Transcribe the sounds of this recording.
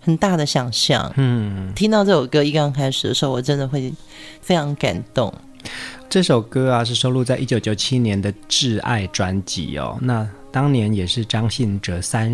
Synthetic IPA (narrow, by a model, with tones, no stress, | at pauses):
xə˨˩nt̪a˥˩d̪ə˩ɕjɑ˨˩ŋɕjɑ̰˥˩ŋn̩˥˧˥t̪ʰi˥ŋt̪ɑ˥˧ʊʈ͡ʂɤ˥˩jo˨˩kɤ˥i˥˩kɑ˥˩ŋkʰa˥ɪʂɻ̩˨˩ə˩ʂɻ̩˧˥o˥˩wɔ˨˩ʈ͡ʂə˦˥nd̪ə˨xwe˥˩ɪ | fe˥ɪʈ͡ʂʰɑ˧˥ŋka̰˨˩nt̪ʊ˥˩ŋ | ʈ͡ʂɤ˥˩ʂo˨˩ʊkɤ˥a˨ʂ̬ɻ̩˥˩ʂo˥ʊlu˥˧t͡sa˥˧ɪʔi˦˥t͡ɕjo˧˥ʊt͡ɕjo˨˧˥ʊt͡ɕʰi˦njɛ˧˥nd̪ə˨ʈ͡ʂɻ̩˥˧a̰˥˩ɪʈ͡ʂwa˦nt͡ɕḭ˨˩˦ɔ̰˩na˥˩t̪ɑ˥ŋnjɛ˧˦njɛ˨˩ʂɻ̩˥˩ʈ͡ʂɑ˥ŋɕi˥˩nʈ͡ʂə˨˩sa˦n